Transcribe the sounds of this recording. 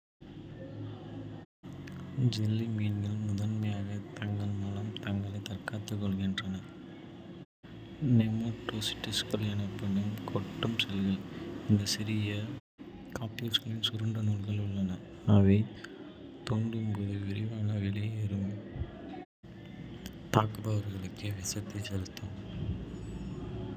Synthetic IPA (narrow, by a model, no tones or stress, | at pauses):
d͡ʒɛlːimiːnɡɐlmʊðɐnmɐjaːɣɐt̪ɐŋɡɐɭmɐlɐmt̪ɐŋɡɐɭɐɪt̪ɐrkaːt̪ːɯkːɔɭɣɪndrɐnɐ | nɛmoːʈːoːsɪ̥ʈːɪskɐlɛnɐpːɐɽɯmkʰɔʈːɯmsɛlɣɐɭɪnd̪ɐsɪɾɪjɐ | kaːpolskɐɭɪnsʊɾɯɳɖɐnuːɭɣɐɭʊɭːɐnɐ | ɐʋɐɪ | t̪oːɳɖɯmɡɯðɯʋɪɾɪʋaːnɐʋɪɭɪjɪɾɯm | t̪aːkɯbɐʋɐɾɣɐɭɯkːɯʋɪsɐt̪ːit͡ʃːɛɾɯt̪ːɐm